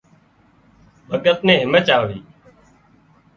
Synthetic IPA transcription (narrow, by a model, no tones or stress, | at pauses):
bʱəɠət̪̚nẽːɦɪmət͡ʃaːʋiː